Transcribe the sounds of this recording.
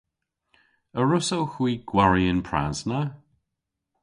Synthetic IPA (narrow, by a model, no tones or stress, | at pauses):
əɹʊsowxwiːɡ̥waɹiənpʰɹa̰znə